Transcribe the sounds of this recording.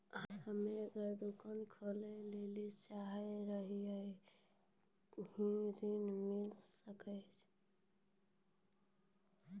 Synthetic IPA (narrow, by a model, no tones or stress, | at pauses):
həmeəɡəɾd̪ukənkʰolelelit͡ʃaɦəjɾəɦiəj | hĩɾinmilsəkət͡ʃʰ